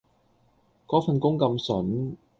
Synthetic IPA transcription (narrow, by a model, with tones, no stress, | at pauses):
kɔː˨˥fɐ˨˧nkʊ˥ŋkɐ˧msɵ˨˥n